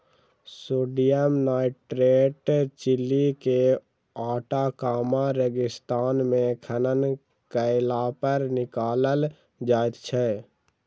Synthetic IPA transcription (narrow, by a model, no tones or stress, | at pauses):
soːɖijəmnaːɪʈɾeːʈt͡ʃɪlːike | aːʈakaːmãɾəɡɪst̪aːnmẽkʰənən | kəɪlapəɾnɪkaːləl | d͡ʒaːjt̪t͡ʃʰɛ